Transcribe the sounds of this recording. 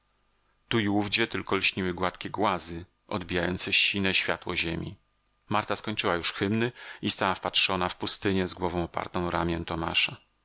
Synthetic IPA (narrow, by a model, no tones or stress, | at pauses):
t̪uiuvd͡ʑɛt̪ɘlkɔlɕɲiwɘɡwat̪kʲɛɡwazɘ | ʔɔ̰d̪bʲijajɔnt̪sɛɕinɛɕfʲja̰t̪wɔ̰ʑemʲḭ | maɾt̪askɔɲt͡ʂɘwajuʂxɘmnɘist̪awafpatʂɔnafpust̪ɘɲɛzɡwɔvɔ̃w̃ɔpa̰ɾt̪ɔ̃w̃ɾamʲjɛñt̪ɔma̰ʂa